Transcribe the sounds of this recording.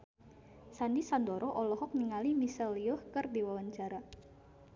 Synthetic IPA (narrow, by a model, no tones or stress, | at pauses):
sanisand̪ɔɾɔʔɔlɔhɔk̚niŋalimisɛlijʊhkərd̪iwawaɲt͡ʃaɾa